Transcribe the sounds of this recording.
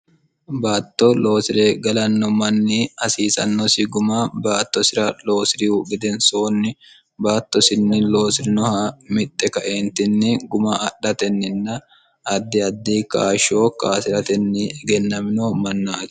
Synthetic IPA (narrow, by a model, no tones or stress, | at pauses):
baːt̪ːolo̞ːsɪɾeːɡɐlɐnːɔmɐnːiːɐsiːsɐ̰nːɔsɪɡʊmaːbaːt̪ːɔsɪɾɐlo̞ːsɪɾɪuɡɪd̪ɛnsoːnːɪ | baːt̪ːɔsɪnːɪlo̞ːsɪɾɪnɔhamɪt̪ʼːɛkɐʔeːnt̪ɪnːɪɡʊmaːʔɐɗɐt̪ɛnːɪnːɐ | ɐd̪ːɪɐd̪ːiːkaːʃo̞ːkaːsɪɾɐt̪ɛnːiɡɛnːɐmɪnoːmɐnːat̪